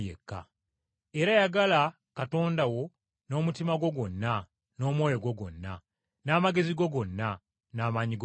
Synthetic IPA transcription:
ḛkːa̰ | eɾajaɡala | kato̞ːndawo̞ | no̞ːmutimaɡwo̞ɡo̞nːa | no̞ːmwo̞ːjo̞ɡwo̞ɡo̞̰nːa̰ | naːmaɡe̞ziɡo̞ɡo̞nːa | naːmaɲiɡ

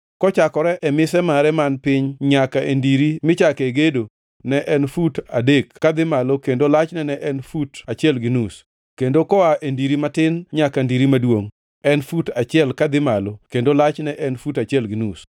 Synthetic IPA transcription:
kɔt͡ʃakɔɾɛʔɛmɪsɛmaɾɛmanpɪɲɲakaʔendiɾimɪt͡ʃakeɡedo | nɛʔɛnfutadekkːad̪ɪmalokendolat͡ʃnɛnɛʔɛnfutat͡ʃɪɛlɡinus | kendokɔaʔendiɾimatɪnɲakandiɾimadwoŋ | ɛnfutat͡ʃɪɛlkad̪ɪmalokendolat͡ʃnɛʔɛnfutat͡ʃɛlɡinus

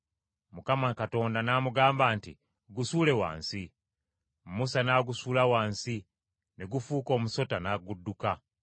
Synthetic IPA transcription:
mukamakato̞ːndanamuɡaːmbaːntḭ | ɡusuːle̞wa̰ːnsi | musanaɡusuːlawaːnsi | neɡufuːko̞ːmuso̞tanaɡudːuka

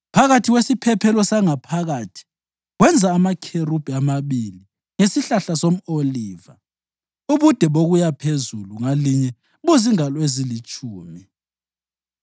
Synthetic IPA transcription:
pʰaɣatʰiwesipʰɛpʰɛlɔsaŋapʰaɣatʰi̥ | ɣwɛnd͡zʱaːmakʰeɾub̥ʱiamaβili | ŋesiɬaɬasom̩oliːva | uβud̥ʱɛβoɣujapʰezuluŋaliɲɛ | βuziŋalwezilit͡ʃʼʰuːmi

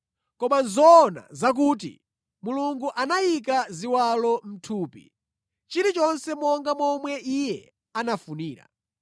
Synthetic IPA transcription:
kɔmanzɔːna̰zak̬uːt̬ḭ | muluŋɡuʔanajik̬aziwalɔm̩tʰuːpḭ | t͡ʃiɾit͡ʃɔnsɛmɔŋɡamɔmwɛʔijɛ | anafuniːɾa̰

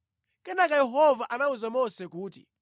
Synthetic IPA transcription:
kɛnakajɛɦɔvaʔanauzamɔsɛkuːtḭ

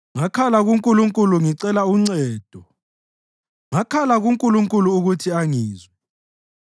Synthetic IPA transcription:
ŋakʰalaɣuŋkʼuluŋkʼuluŋiǀɛlauŋ͡ǀɛːd̥ʱɔ | ŋakʰalaɣuŋkʼuluŋkʼuluːɣutʰiaŋiːzwɛ

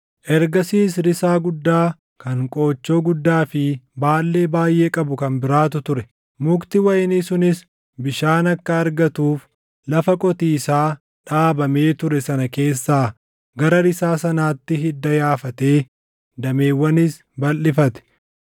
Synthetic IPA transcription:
ʔɛɾɡɐsiːs̬ɾɪsaːɡʊd̪ːaː | kɐŋkʼo̞ːt͡ʃːo̞ːɡʊd̪ːaːfɪbaːlːe̞ːbaːjʔe̞ːkʼɐbʊkɐmbɪɾaːt̪ʊt̪ʊɾɛ | mʊkt̪ɪwɐjnisʊnɪs | bɪʃaːnɐkːɐːɾɡɐt̪uːf | lɐfɐkʼɔt̪iːsaː | ᶑaːbɐme̞ːt̪ʊɾɛsɐnɐke̞ːsːaː | ɡɐɾɐɾɪsaːsɐnaːt̪ːɪɦɪd̪ːɐjaːfɐt̪e̞ː | d̪ɐme̞ːwːɐnɪs | bɐlːɪfɐt̪ɛ̥

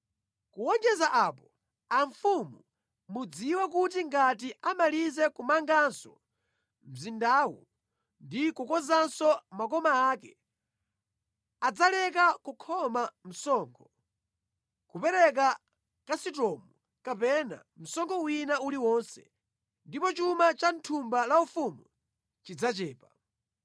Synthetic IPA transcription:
kuwɔnd͡ʒɛzaʔapɔ | aɱfumu | mud͡ziwɛk̬ut̬iŋɡat̬iʔamalizɛkumaŋɡansɔ | m̩zindaːwɔ̰ | ndikukɔzansɔmak̬ɔmaːkɛ | ad͡zalɛk̬akukʰɔmam̩sɔːŋkʰɔ | kupɛɾɛk̬a | kasitɔːmu | kapɛna̰ | m̩sɔŋkʰɔwinauliwɔnsɛ̰ | ndipɔt͡ʃumat͡ʃantʰumbalaufumu | t͡ʃid͡zat͡ʃɛːpa

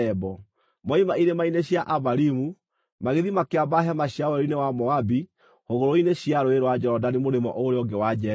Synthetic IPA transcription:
ɛbɔ | mɔimaiɾemaineɕjaʔaβaɾimu | maɣeðimakeabaɦɛmaɕjawɛɾinewamɔabi | hoɣoɾoineɕjaɾoeɾwad͡ʒɔɔdanimoɾemɔ̰ʔoɾeɔŋɡewad͡ʒɛ

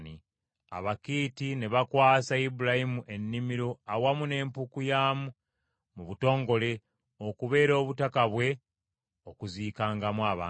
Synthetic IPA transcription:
ni | a̰βakiːtine̞βakwaːsaibuɾahimuʔe̞nːimiɾo̞awamune̞ːmpukujaːmu | muβuto̞ːŋɡo̞le̞ | okuβe̞ːɾo̞ːβutakaβwe̞ | okuziːkaːŋɡamwaːβa̰ː

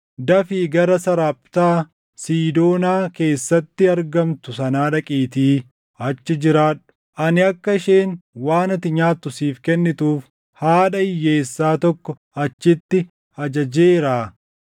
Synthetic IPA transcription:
d̪ɐfiːɡɐɾɐsɐɾaːpʼt̪aː | siːd̪o̞ːnaːke̞ːsːɐt̪ːɪɐɾɡɐmt̪ʊsɐnaːᶑɐkʼiːt̪iː | ɐt͡ʃːɪd͡ʒɪɾaːᶑʊ̥ | ʔɐnɪɐkːɐɪʃeːnwaːnɐt̪ɪɲaːt̪ːʊsiːfkɛnːɪt̪uːf | haːᶑɐɪjːe̞ːsːaːt̪ɔkːɔ | ɐt͡ʃːɪt̪ːɪ | ɐd͡ʒɐd͡ʒeːɾaː

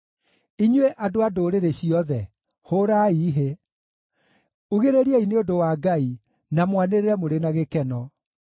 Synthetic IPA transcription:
iɲweʔadoadoɾeɾeɕiɔðɛ | hoɾaiːɦe | uɣeɾeɾiɛineodowaːɡai | namwaneɾeɾɛmoɾenaɣekɛnɔ

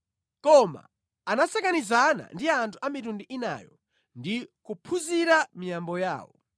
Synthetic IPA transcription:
kɔma̰ | anasɛkanizana̰ndiantʰu̥amitundiʔina̰jɔ | ndikupʰuziɾamijambɔja̰ːwɔ̰

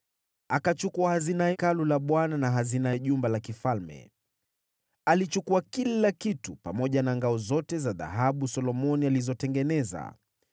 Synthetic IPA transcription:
akat͡ʃukuahazinaɛkalulaɓwananaɦazinaɛʄumbalakifalmɛ̰ | alit͡ʃukuakilakitupamɔʄanaŋɡaɔzɔtɛzaða̰ɦaɓusɔlɔmɔnializɔtɛŋɡɛnɛza̰

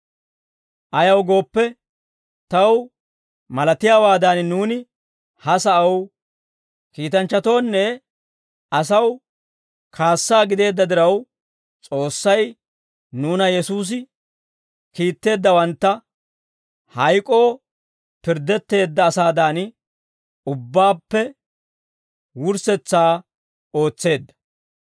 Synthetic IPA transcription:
ʔɐjɐwɡo̞ːpːɛ | t̪ɐw | mɐlɐt̪ɪjaːwaːd̪aːnnuːnɪ | hɐsɐʔɐw | kiːt̪ɐnt͡ʃːɐt̪o̞ːnːɛ | ɐsɐw | kʰaːsːaːɡɪd̪e̞ːd̪ːɐd̪ɪɾɐw | t͡sʼo̞ːsːɐj | nuːnɐjɛsuːs̬ɪ | kiːt̪ːe̞ːd̪ːɐwɐnt̪ːɐ | hɐjkʼo̞ː | pɪɾd̪ːɛt̪ːe̞ːd̪ːɐːsaːd̪aːn | ʊbːaːpːɛ | wʊɾsɛt͡sːaː | o̞ːt͡sːe̞ːd̪ːɐ̥

